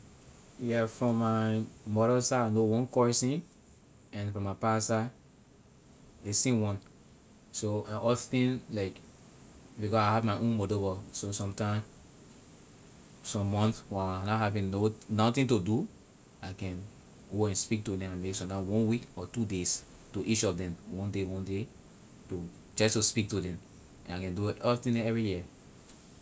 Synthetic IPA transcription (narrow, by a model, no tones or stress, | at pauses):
jɛfɹɔ̃mːaɪmɔɾəsaanowɔ̃nkɔɹsĩn | ɛ̃nfɹɔ̃mːapasa | esĩnwɔ̃n | soãɔθĩnlaɪk | bikɔaɪhavmaɪʔõnmodobɔsosɔ̃mtãɪ̃m | sɔ̃mːɔ̃nθwɛ̃naanaɦavĩnnonɔtĩntodu | akɛ̃n | ɡoɛ̃nspik̚todɛ̃mãnmeksɔ̃tãwɔ̃nwikɔtudes | toʔit͡ʃɔfdɛ̃mwɔ̃ndewɔ̃nde | to | t͡ʃastuspik̚tudɛ̃m | ɛ̃nakɛ̃nduɔtĩnɛvɹiji